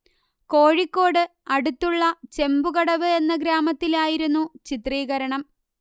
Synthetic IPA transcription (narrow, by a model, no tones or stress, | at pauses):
ko̞ːɻikːo̞ːɽɨɐɽut̪ːuɭːɐt͡ɕe̞mbuɣɐɽɐʋɨe̞nːɐɡɾaːmɐt̪ːilaːjiɾunːut͡ɕit̪riːɣɐɾɐɳɐm